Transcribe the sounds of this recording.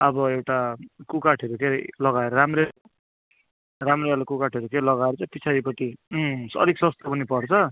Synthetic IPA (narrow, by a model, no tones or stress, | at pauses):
ʌbʌewʈakukaʈʰʌɾukeɾlʌɡaeɾʌɾamre | ramrealakukaʈʰɦʌɾukelʌɡaeɾʌt͡saj̃pit͡sʰaɾipʌʈ̪isʌ̰ɾiksʌst̪apʌnipʌrt͡sʰʌ